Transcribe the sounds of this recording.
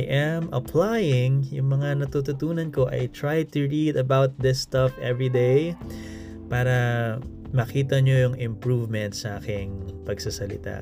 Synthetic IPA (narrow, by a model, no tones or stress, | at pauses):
jʔɐmʔɐpʰlajɪŋjʊŋmɐŋanɐt̪ut̪ʊt̪uːnɐnko̞ʔɐ̰jt̪ɹajt̪ʊɹid̪ɐbawt̪̚ðɪst̪ɐfʔɛvɹid̪ej | paːɾɐ | mɐkiːt̪ɐɲo̞jʊŋɪ̃mpɹuvmɛnt̪̚sɐʔaːkɪŋpɐɡsɐsɐlɪ̰t̪a̰